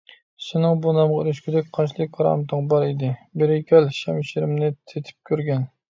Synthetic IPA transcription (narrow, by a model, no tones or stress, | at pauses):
ʃɪnɪŋbunɑmʁɑyɾyʃkʲʰyd̪ɛk̚ʲqʰɑnt͡ʃʰlˠɨk̚ʲkʰɑɾɑ̰mt̪ʰɨŋbɑɾid̪ɪbɪɾɪkʲʰɛlʃɛmʃiɾɪmnɪt̪ʰet̪ʰɪ̥p̚kʲʰøɾɡʲɛn